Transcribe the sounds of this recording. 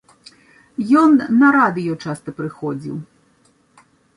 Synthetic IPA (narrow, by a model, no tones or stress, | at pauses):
jɔnːɐɾad̪ɨjɔt͡ʂast̪ɐpɾɨxɔd͡zʲḭw